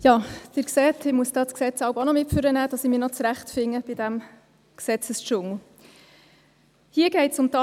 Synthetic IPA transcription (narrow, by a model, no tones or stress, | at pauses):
jɑːd̥̪ɪːɾksɛt̪ʰɪmuəsd̥ɑːsksɛt͡sɑʊbɑnɔmɪtføɾənæːd̥ɑsɪmɪːɾnɔt͡sɾæχtfɪŋːəb̥ɪd̥æm | ksɛt͡səst͡ʃʊŋl̩ | hiəɡ̥ɛɪtsʊmtɑ